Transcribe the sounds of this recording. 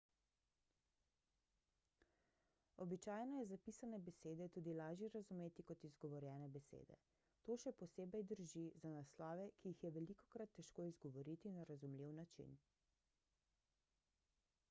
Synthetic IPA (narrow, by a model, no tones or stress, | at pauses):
ɔbit͡ʃaːjnɔjɛzapisanɛbɛseːd̪ɛt̪uːd̪ilaːʒjɛɾazumeːt̪ikɔt̪izɡɔʋɔɾjɛːnɛbɛsḛːd̪ɛ̰ | t̪oːʃɛpɔseːbɛjd̪əɾʒizanaslɔːʋɛkijixjɛʋɛlikɔkɾat̪ːɛʃkoːizɡɔʋɔɾit̪inaɾazumliwnat͡ʃḭn